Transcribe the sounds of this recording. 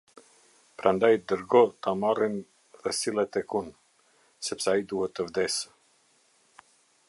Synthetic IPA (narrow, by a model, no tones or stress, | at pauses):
pɾʔand̪ajd̪əɾɡɔt̪amarin | ðɛsilˠɛt̪ɛkun | sɛpsɛaid̪uhɛt̪ːəvd̪ɛs